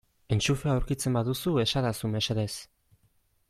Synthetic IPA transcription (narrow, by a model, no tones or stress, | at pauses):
e̞nt͡ʃufe̞awɾkit͡se̞mbaðusue̞saɾasume̞seɾe̞s